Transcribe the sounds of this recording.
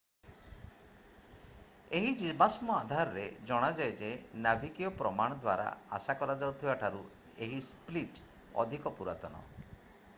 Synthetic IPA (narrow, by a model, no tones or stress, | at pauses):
eɦid͡ʒibasmɔad̪ʱaɾɔɾed͡ʒɔɽ̃ad͡ʒajd͡ʒenabʱikijɔpɾɔmaɽ̃ɔd̪wa̰ɾa̰asakɔɾad͡ʒawt̪ʰibaʈʰaɾu | eɦispliʈ | ɔ̰d̪ʱikɔpuɾa̰t̪ɔnɔ̰